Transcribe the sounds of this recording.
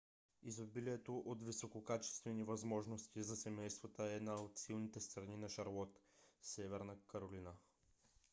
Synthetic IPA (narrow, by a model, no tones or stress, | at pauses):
izobiliɛt̪oʔot̪visokokat͡ʃɛ̥st̪vɛnivɐzmɔʒnost̪izɐsɛmɛjst̪vot̪əɛd̪naot̪silˠnit̪ɛst̪ɾɐninɐʃɐɾlˠɔt̪sɛvɛɾnəkəɾolinə